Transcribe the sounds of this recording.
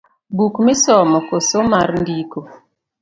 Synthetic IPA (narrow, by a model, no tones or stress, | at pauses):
bukmɪsɔmɔkosomaɾndiko